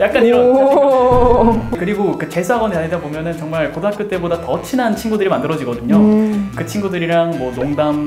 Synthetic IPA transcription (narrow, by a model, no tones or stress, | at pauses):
jak͈̚aniɾ | kɯɾiɡokɯt͡ɕe̞sʰaɡʌndeaedabomjʌnɯnt͡ɕʌŋmaɭpodak͈ɯt͈e̞bodatʌt͡ɕʰinant͡ɕʰinɡudɯɾimandɯɾʌd͡ʑiɡʌdɯɲokɯt͡ɕʰinɡudɯɾiɾaŋmwʌnoŋdam